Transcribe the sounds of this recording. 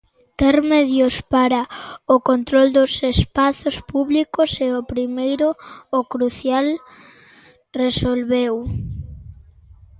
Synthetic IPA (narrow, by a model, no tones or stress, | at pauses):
t̪eɾmeðjʊspaɾaʊkont̪ɾold̪ʊsespaθospuβlikʊseopɾimejɾʊːkɾuθjal | resolβew